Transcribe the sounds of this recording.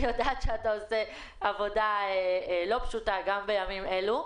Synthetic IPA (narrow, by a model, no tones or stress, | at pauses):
jodat̪ʃeataose̞ | avo̞daelo̞pʃutaɡambejamime̞lu